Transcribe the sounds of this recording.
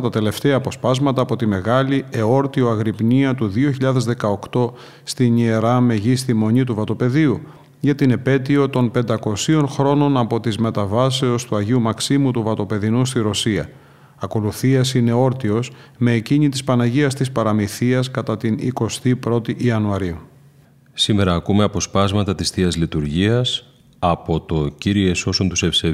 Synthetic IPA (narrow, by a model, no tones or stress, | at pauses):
t̪ɐt̪e̞le̞ft̪eɐːpo̞spɐzmɐt̪ɐːpo̞t̪ime̞ɣɐlieo̞ɾt̪ioɐɣɾipɲiɐt̪uðioçiʎɐðe̞zðe̞kɐo̞kt̪o̞ | st̪iɲie̞ɾɐme̞ʝist̪imo̞ɲit̪uvɐt̪o̞pe̞ðiu | ʝɐt̪ine̞pe̞t̪io̞t̪o̞npe̞nd̪ɐko̞sio̞nxɾo̞no̞nɐpo̞t̪izme̞t̪ɐvɐse̞ost̪uɐʝiumɐksimut̪uvɐt̪o̞pe̞ðinust̪iɾo̞siɐ̰ | ɐko̞luθiɐsine̞o̞ɾt̪io̞sme̞ːciɲit̪ispɐnɐʝiɐst̪ispɐɾɐmiθiɐskɐt̪ɐt̪inḭko̞st̪ipɾo̞t̪iʔiɐnuɐɾiu | sime̞ɾɐːkumeɐpo̞spɐzmɐt̪ɐt̪isθiɐzlit̪uɾʝiɐs | ɐpo̞t̪o̞ciɾie̞so̞sont̪usefse